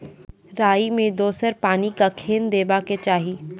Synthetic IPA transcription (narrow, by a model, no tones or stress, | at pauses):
ɾaːimẽd̪oːsəɾpaːnikakʰeːnd̪eːbaket͡ʃaːɦiː